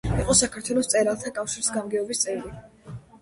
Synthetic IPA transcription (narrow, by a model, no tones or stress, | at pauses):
iqʼɔsakʰaɾt̪ʰwɛlˠɔst̪sʼɛɾalˠt̪ʰakʼafʃiɾsɡamɡɛɔbist̪sʼɛɾi